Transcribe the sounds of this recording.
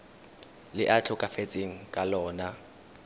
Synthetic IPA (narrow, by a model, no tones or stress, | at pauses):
lɪʔat͡ɬʰʊkʼafet͡sʼeŋ̩kʼalɔːna